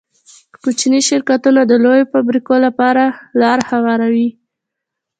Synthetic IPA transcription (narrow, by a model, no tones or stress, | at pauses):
kut͡ʃniʃɪɾkat̪unad̪əlojofabɾikolapɑɾalɑɾhawɑɾawi